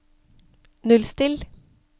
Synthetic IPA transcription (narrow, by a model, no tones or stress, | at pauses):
nʉlst̪ɪl